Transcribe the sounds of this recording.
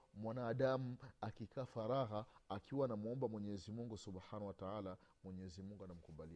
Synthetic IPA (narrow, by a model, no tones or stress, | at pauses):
mwanaːɗamuakikaːfaɾaɣaakiwaːnamuɔmbamwɛɲɛzimuŋɡusubħanahwataala | mwɛɲɛzimuŋɡuanam̩kuɓali